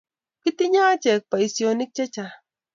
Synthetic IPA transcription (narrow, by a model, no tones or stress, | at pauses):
kɪt̪ɪɲaːt͡ʃek̚paisjonɪk̚t͡ʃat͡ʃa